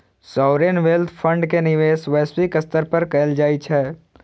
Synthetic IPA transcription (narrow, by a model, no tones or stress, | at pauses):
sɔːɾeːnʋelt̪ʰfʰə̃ɳɖkenɪʋeːsʋɛːswikɐst̪əɾpɐɾkɛːld͡ʒaːit͡ʃʰɛː